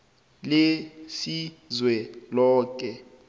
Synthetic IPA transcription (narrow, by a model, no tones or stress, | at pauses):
lesizwɛlɔːkʼɛ